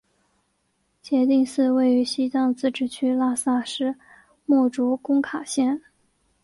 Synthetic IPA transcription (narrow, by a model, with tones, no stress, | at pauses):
t͡ɕjɛ˧˥t̪i˥˧ŋsɹ̩˥˧we˥˩ɪy˧˥ɕi˥t͡s̪ɑ˥˧ŋt͡sɹ̩˥˩ʈ͡ʂɻ̩˥˩t͡ɕʰy˥la˥sa˥˩ʂɻ̩˥ | mɔ˥˩ʈ͡ʂu˧˥kʊ˥ŋkʰa˨˩ɕjɛ˥˩n